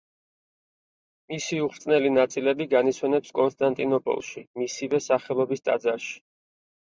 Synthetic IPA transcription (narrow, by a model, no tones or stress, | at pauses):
misiuχɾt̪sʼnɛlinat̪sʼilɛbiɡanit̪sʰwɛnɛpskʼɔnst̪ʼant̪ʼinɔpʼɔ̰lˠʃimisivɛsaχɛlˠɔbist̪ʼa̰d̪zaʃi̥